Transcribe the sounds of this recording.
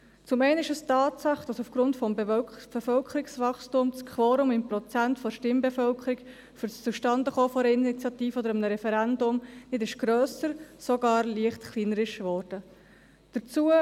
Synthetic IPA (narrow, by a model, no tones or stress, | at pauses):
t͡sʊmɛɪnəɪʃəstɑːtt͡sɑχd̥ɑsufɡ̥ɾʊntfɔmbb̥efœlkʰəɾɪksvɑχstʊmt͡skʰvoːɾʊmɪmprɔt͡sæntfɔʃtɪmbɛfœlkʰəɾik | fyɾst͡suʃtɑndəχoːfɔɛɾəinit͡sjɑtiːfəɔd̪əɾəmnəɾɛfɛɾændʊmnɪdɪʃɡ̥ɾøːsəɾsɔɡɑːɾliəχtkʰliːnəɾɪʃvɔːɾd̥ə | d̥əɾt͡suə